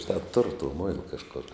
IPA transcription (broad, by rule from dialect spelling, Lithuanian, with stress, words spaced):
ʒʲɪˈnɑː tʊrʊ toː ˈmoːɪlˠɐ kɐʃˈkoːr